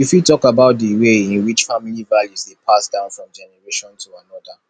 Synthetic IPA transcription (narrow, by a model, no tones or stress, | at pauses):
jifitɔkabaʊt̚diweĩnwit͡ʃfamilivaljuzdepʰasdãʊ̃nfɹɔ̃md͡ʒɛnɛɹeʃɔ̃ntʰuanɔda